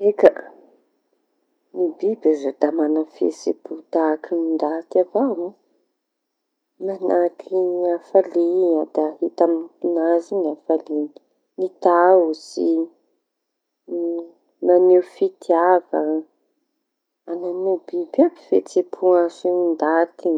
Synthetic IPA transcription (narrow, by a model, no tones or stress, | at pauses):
ekə | nibibazod̪̥amanafḛt͡sepʰut̪akinind̪at̪avawu | manakʰiiafaliɲad̪̥ahit̪aminipunazinafali | nit̪ausi | manewfit̪iavə | ananubibai̥fet͡sepʰuasinind̪at̪i